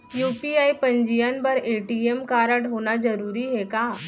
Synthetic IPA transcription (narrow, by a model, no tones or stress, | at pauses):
juːpiaːipɐ̃ɲd͡ʒijənbɐɾeːʈiemkaːɾəɽɦoːnad͡ʒɐɾuːɾiɦɛkaː